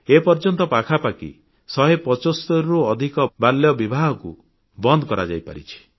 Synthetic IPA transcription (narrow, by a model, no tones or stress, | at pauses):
epɔɾd͡ʒɔnt̪ɔpakʰapakḭ | sɔɦepɔt͡ʃost̪ɔɾɾuɔd̪ʱikɔbaljɔbibʱaɦɔkṵ | bɔnd̪ɔkɔɾa̰d͡ʒa̰jpa̰ɾḭt͡ʃʰi̥